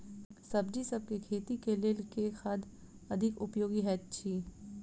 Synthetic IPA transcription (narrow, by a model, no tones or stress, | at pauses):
sɐbd͡ʒisɐb̚kekʰeːt̪ikelɪlkexɐd̪ | ɐd̪ʱɪkʊpjoːɡiɦɛːt̪t͡ʃʰiː